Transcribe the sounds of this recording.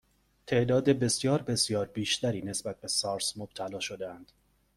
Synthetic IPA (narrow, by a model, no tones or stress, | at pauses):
t̪ʰe̞ʔd̪ɒːd̪e̞be̞sjɒːɾbe̞sjɒːɾbiːʃt̪ʰæɾiːne̞sbæt̪̚be̞sɒːɾsmob̥̚t̪ʰælɒːʃo̞d̪eænd̪̥